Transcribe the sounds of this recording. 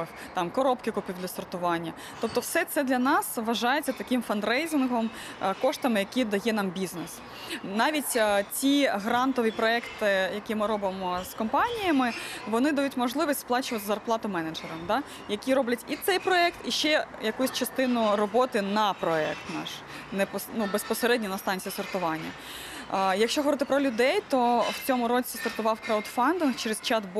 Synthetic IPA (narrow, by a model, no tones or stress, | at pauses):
x | t̪ɑmkɔɾɔpkɪkʊpʲiwd̪lʲɐst̪ɔrt̪ʊʋɑnʲːɐ | t̪ɔp̚t̪ɔwsɛt̪sɛd̪lʲɐnɑsʋɐʒɑjet͡sʲːɐt̪ɐkɪmfɐnd̪ɾɛjzʲɪnɦɔm | kɔʂt̪ɐmɪjɐkʲid̪ɐjɛnɑmbʲiznes | nɑʋʲitʲt͡sʲiɦɾɑnt̪ɔʋʲipɾɔɛkt̪ɪjɐkʲimɪɾɔbɪmɔskɔmpɑnʲijɐmɪʋɔnɪd̪ɐjutʲmɔʒlˠɪʋisʲtʲsplˠɑt͡ʃʊʋɐt̪zɐrplˠɑt̪ʊmɛnɐd͡ʒɛɾɐmd̪ɑ | jɐkʲiɾɔblʲɐtʲit̪sɛjpɾɔɛkt̪iʃt͡ʃɛjɐkusʲt͡ʃɐst̪ɪnʊɾɔbɔt̪ɪnɐpɾɔɛ̰k̚t̪nɑ̰ʃ | nɛpnubespɔseɾɛdʲnʲinɐst̪ɑnʲt͡sʲijisɔrt̪ʊʋɑnʲːɐ̰ | jɐkʃt͡ʃɔɦɔʋɔɾɪt̪ɪpɾɔlʲʊd̪ɛjt̪ɔwt͡sʲɔmʊɾɔt͡sʲisɔrt̪ʊʋɑwkɾawd̪fɑnd̪ɪnxt͡ʃeɾest͡ʃɑt̪b